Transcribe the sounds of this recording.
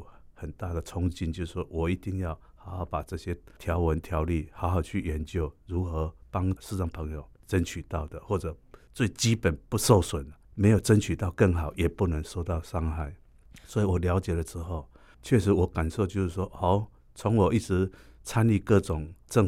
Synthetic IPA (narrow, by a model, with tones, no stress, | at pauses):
hə˨˩nt̪a˥˩d̪ə˨t͡sʰʊ˦ŋt͡ɕi˥nt͡ɕjs̩˥˩ʂwɔ˥wɔ˨˩i˧˥t̪i˥˧ŋja˥˩ʊ | ha˨˧˥ʊhɑ˨˥ʊpa˨˩t͡sɤ˥˧ɕjɛ˦t̪ʰja˧˦ʊwə˧˦nt̪ʰja˧˦ʊli˥˨˩ha˧˥ʊɦa˨˩ʊt͡ɕʰy˥˩ɥɛ˨˦nt͡ɕjo˥˨ʊɻu˨˥xɤ˧˦pa˦ŋʂ̩˥˧t͡sa˨˩ŋpʰə˧˥ŋjo˨ʊt͡sə˦nt͡ɕʰy˨˩t̪a˥˩ʊd̪ə˨xwɔ˥˩t͡sə˨˩t͡swe˥˩ɪt͡ɕi˦pə˨˩npu˥˧so˥˧ʊswə˨˩nmẽ˧˥ɪjo˨˩ʊt͡sə˦nt͡ɕʰy˨˩t̪a˥˧ʊkə˥˩ŋɦa˨˩ʊjɛ˨˩pu˥˧nə˧˥ŋso˥˧ʊt̪ɑ˥˧ʊʂa˥˧ŋxa˥˩ɪ | swɔ˧˥i˨wɔ˨˩lja˧˥ʊt͡ɕjɛ˨˩lə˨t͡s̩˦xo˥˩˨ʊ | t͡ɕʰɥɛ˥˧ʂ̬ɻ̩˨˥wɔ˨˩ka˨˩nʂo˥˧t͡ɕjo˥˧ʂ̩˥˩ʂ̬wɔ˥ho˨˩˦ʊ | t͡sʰo˧˦ŋwɔ˨˩i˥˩t͡sɻ̩˧˦t͡sʰa˥ni˥˧kɤ˥˧˨t͡sʊ˨˩ŋt͡sə˥˧ŋ